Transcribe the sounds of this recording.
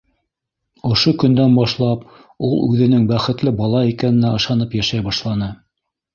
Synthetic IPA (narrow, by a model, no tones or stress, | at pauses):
ŏʃokɵ̆nd̪ænbɑʃlˠɑp | ulˠʉðɘ̆nɘŋbæχɘ̆t̪lɘbɑlˠɑikænɘ̆næɤ̆ʃɑnɤpjæʃæjbɑʃlˠɑnɤ